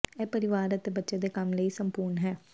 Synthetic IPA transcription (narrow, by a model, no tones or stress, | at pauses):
ɛːpəɾɪʋaːɾət̪ebətːʃed̪eːkɐmləisəmpuːɾnɦɛː